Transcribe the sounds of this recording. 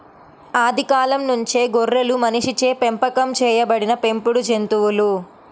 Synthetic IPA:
aːd̪ikaːlɐmnuɲt͡ʃeːɡorːɐlumɐniʂit͡ʃeːpempɐkɐmt͡ʃɛːjɐbɐɽinɐpe̞mpuɽud͡ʒent̪uwulu

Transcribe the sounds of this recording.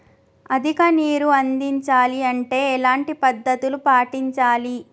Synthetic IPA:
ɐd̪ʱikɐniːɾuɐnd̪iɲt͡ʃaːliɐɳʈe̞ːɛlaːɳʈipɐd̪ːɐt̪ulupaːʈiɲt͡ʃaːli

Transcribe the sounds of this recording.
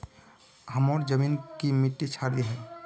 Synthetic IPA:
həmɔɾd͡ʒəmiːnkimiʈːit͡ʃʰaɾiɦɛː

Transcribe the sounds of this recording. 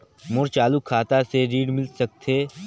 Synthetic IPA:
mʊɾt͡ʃaːlukʰaːt̪aseɾiːɽmɪlsɐk̚t̪ʰeː

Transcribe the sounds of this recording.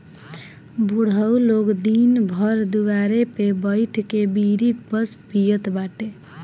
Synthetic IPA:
buɽ̤əwlokd̪inbʱəɾd̪uwaɾepebəɪʈʰkebiɾik̚bəspijət̪baʈe

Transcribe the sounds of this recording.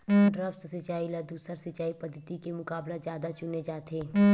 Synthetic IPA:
ɖɾəft̪sɪt͡ʃaːilɐd̪uːsəɾsɪt͡ʃaːipɐd̪ʱːət̪ikemʊkaːblad͡ʒjaːd̪at͡ʃʊned͡ʒaːt̪ʰeː

